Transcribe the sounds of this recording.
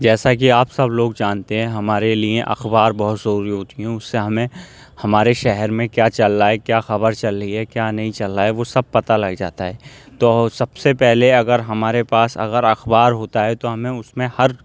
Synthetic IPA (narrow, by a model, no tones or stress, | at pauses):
d͡ʒɛːsak̬iaːpsɐbloːɡd͡ʒaːnt̪eɦɛ̃ɦɐmaːɾeliḛ̃ʔɐ̰xbaːɾbɐɦʊt̪zɐɾuːɾiɦoːt̪iɦɛ̃ʊsːeɦɐmẽ | hɐmaːɾeʃɛɦɛɾmẽkjaːt͡ʃɐlːaːɛkjaːxɐbəɾt͡ʃɐlːɐɦiɦɛkjaːnɐɦĩt͡ʃɐlːaːɛʋosɐb̚pɐt̪alɐɡd͡ʒa̰ːt̪aɦɛːt̪oːsɐbsepɛɦleɐɡəɾɦɐmaːɾepaːsɐ̰ɡəɾɐxbaːɾɦoːt̪aɦɛt̪oɦɐmẽʊsmẽhɐɾ